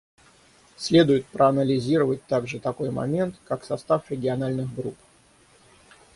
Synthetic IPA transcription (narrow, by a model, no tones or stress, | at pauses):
sʲlʲe̞d̪ʊjɪt̪̚pɾʔəɐnəlʲɪzʲiɾəvət̚ʲt̪aɡʐɨt̪ɐko̞jmɐ̰mʲe̞nt̪kaksɐst̪afɾʲɪɡʲɪɐnalʲnɨxɡɾup